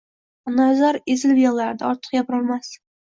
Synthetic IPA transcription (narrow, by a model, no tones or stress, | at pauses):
nazaɾezɪlbɪjɒlˠlːaɾd̪a̰ɒɾt̪ʰɨ̥qjapɾɒlˠmas